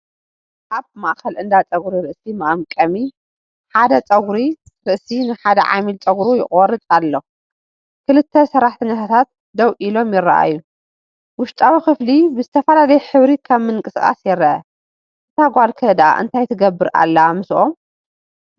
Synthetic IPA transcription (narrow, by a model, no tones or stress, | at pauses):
ʔaβmaʔkɐlʔɨnd̪at͡sʼɐɡɾiɾɨʔsimɐʔamkʼɐmi | ħad̪ɐt͡sʼɐɡɾi | ɾɨʔsinɨħad̪ɐʕa̰milt͡sʼɐɡɾujɪχʼɔrɨt̪ʼalːo | kʰɨlɨt̪ʰːɐsɐɾːaħt̪ʰɨɲːat̪ʰat̪ʰat̪̚ | d̪ɐwʔilo̞mjɪra̰ʔa̰jːu | wʊʃt̪ʼawixɨflibɨzɨt̪ʰɐfɐlalɐjħɨβɾikʰaβmɨnŋkʼɨskʼa̰sjɛɾːɐʔɐ | zɨt̪ʰaɡʷalkʰɐd̪ʔa̰ʔɨ̰nt̪ʰajt̪ʰɨɡɐbːɨɾʔa̰lːɐamɨsʔom